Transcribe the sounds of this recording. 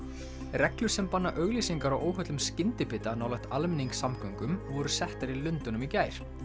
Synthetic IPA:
rɛklʏɾ̥sɛmpanːaʔœɣlisiŋkaɾawʔoːwɦœt̪lʏmscɪnt̪ɪpɪt̪anaːwlɛxt̪almɪniŋksamkœɥŋkʏmvɔɾʏ̥sɛht̪aɾilʏnt̪ʏnʏmicaːjɾ̥

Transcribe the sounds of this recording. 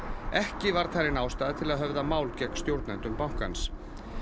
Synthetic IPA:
ɛhcɪvaɾ̥θajɾɪnaːwst̪aːðat̪ʰɪlaðɦœvðamaːwlcɛkst̪jowɾt̪nɛnt̪ʏmpawŋ̥ka̰ns

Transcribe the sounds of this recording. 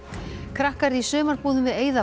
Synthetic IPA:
kʰɾahkaɾisœːmaɾ̥puːðʏmvɪðeːjða

